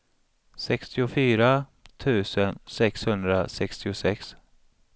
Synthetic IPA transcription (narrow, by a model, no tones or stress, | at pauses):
sɛkst̪ɪʊfyːɾat̪ʰʉ̟ːsənsɛkshɵnd̪ɾasɛkst̪ɪʊsɛks